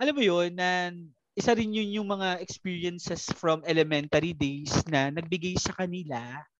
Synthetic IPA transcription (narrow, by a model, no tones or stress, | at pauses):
ʔɐlamːojonːɐ | ʔɪsaɾɪnjʊnjʊŋmɐŋaʔɛkspiːɹiɐnsɛsfɾɐmɛlɛmɛnt̪ɐɾid̪ejsnɐnɐɡ̚bɪɡajsɐkɐnɪla